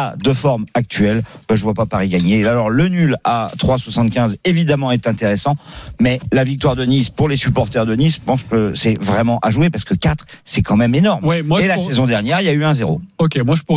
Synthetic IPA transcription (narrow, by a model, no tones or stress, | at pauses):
ad̪əfɔʁmak̚t̪ɥɛlbʒəvwapapaʁiɡaɲealɔʁlənylat̪χwaswasɑ̃t̪kʲɛ̃zevid̪amɑ̃ɛt̪ɛ̃t̪eʁesɑ̃mɛlavik̚t̪waʁd̪ənispuʁlesypɔʁt̪œʁd̪ənispɑ̃ʃkəsɛvʁɛmɑ̃ʔaʒwepaʁsə̥kəkʲat̪χsɛkɑ̃mɛmenɔʁmwɛmwaelasezɔ̃d̪ɛʁnjɛʁiljayɛ̃zeʁo̰ɔkʲemwaʒəpu